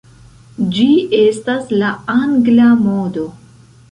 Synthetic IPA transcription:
d͡ʒie̞staslaaŋɡlamod̪o

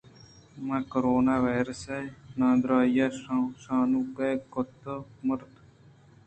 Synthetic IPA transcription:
mãːkoɾoːnaːʋaːjɾəsenãːd̪ɾaːjaːʃaːnũːkejkot̪əməɾt̪

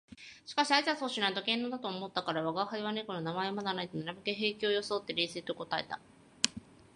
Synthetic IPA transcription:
ɕi̥kaɕiaizasoːɕɨnait̪okẽ̞nːoːd̪at̪oːmo̞t̪ːakaɾaβaɡahaɾʲiβanekononamae̞omad̪anait̪onaɾamakeɦe̞ːkʲiojo̞soːt̪ːe̞ɾʲeːseːt̪o̞ko̞t̪ae̞̰t̪a̰

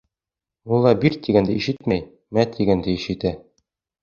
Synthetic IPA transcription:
ulˠːɑbiɾt̪ːiɡænd̪ɘiʃɘt̪mæj | mæt̪ʰːiɡænd̪ɘiʃɘ̆t̪æ

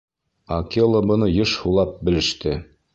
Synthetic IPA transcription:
ɑkʲilˠobɤ̆nɤjɤʃhulˠɑp̚bɘ̆lɘ̆ʃt̪ɘ

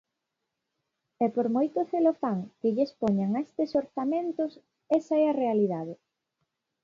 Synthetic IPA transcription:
ɛpoɾmojt̪oθelofaŋkɪʎespɔɲaŋaest̪esoɾθamẽnt̪ʊs | ɛsaɛɐrealiðaðɪ

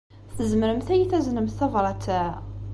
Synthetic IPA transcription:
θəzməɾəmθæjiθæznəmθθævɾˤɑt͡s̪ːæ

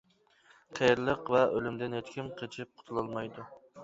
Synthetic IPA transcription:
qʰɛjɾlˠəqvɛølymd̪ɪnhet̪kʲimqʰət͡ʃʰɪp̚qʰʊ̥t̪ʰulˠɑlˠmɑjd̪u

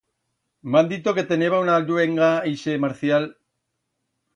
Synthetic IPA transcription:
mand̪it̪oke̞t̪eneβaunald̪weŋɡaeʃemaɾθjal

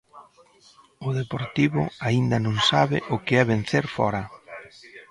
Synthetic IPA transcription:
ʊðepoɾt̪iβʊ̰aind̪ɐnõŋsaβɪʔʊkɪɛβen̟θeɾfɔ̰ɾɐ

